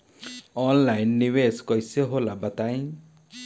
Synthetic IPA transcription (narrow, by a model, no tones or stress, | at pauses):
ɔnlajnːiweskɔjseɦolabat̪aj̃